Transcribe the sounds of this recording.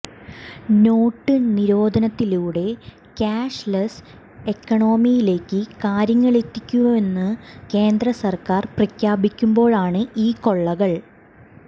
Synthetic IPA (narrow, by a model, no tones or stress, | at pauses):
no̞ːʈːɨniɾo̞ːd̪ʱɐnɐt̪ːiluːɽe̞ | kaːʂlɐs | e̞kːɐɳo̞ːmijile̞ːkːɨkaːɾjɐŋːɐɭe̞t̪ːikʲːuʋɐme̞nːɨke̞ːnd̪rɐsɐrkaːrprɐkʲʰjaːbikʲːumbo̞ːɭaːɳɨiːko̞ɭːɐɣɐɭ